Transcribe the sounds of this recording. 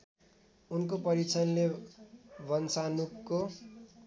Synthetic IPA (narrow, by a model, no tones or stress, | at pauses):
unkopʌɾit͡sʰʌnle | bʌnsanukːo